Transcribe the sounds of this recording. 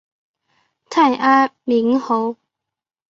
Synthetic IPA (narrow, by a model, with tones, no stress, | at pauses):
t̪ʰa˥˩jʔaː˦˥mi˨˥ŋho˨˧˥w